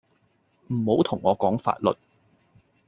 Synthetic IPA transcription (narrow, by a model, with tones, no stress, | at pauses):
m̩˨˩ho˨˥wt̪ʰʊ˨˩ŋːɔː˨˧kɔː˨˥ŋfa̰ː˧t̚lɵ̰˨t̚